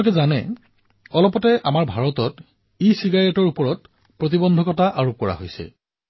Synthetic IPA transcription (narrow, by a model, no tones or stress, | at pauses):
lk̬ɛzanɛ̰ | ɔlɔpɔtɛʔamaɹbʱaɹɔtɔt | isiɡaɹɛtɔɹupɔɹɔt | pɹotibɔndʱɔkɔtaʔaɹup̚kɔɹa̰ɦojsɛ̰